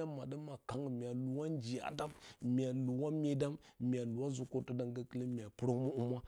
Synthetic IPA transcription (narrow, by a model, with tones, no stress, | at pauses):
a˦ma˨da˦ma˨ka˦ŋ˨mʲ˨a˨lu˨wa˦nd͡ʒi˨a̰˨da˦mmʲ˨a˨lu˨wa˦mʲe˦da˦mmʲ˨a˨lu˨wa˦zu˦ko˦tə˦da˦ŋɡa˦ki˦lə˦mi˨a˨pu˦ɾmu˦u˦ma˦